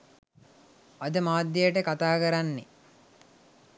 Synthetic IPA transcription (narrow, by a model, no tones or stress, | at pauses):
ɐd̪əmaːd̪ːejəʈəkat̪aːkɐɾanːe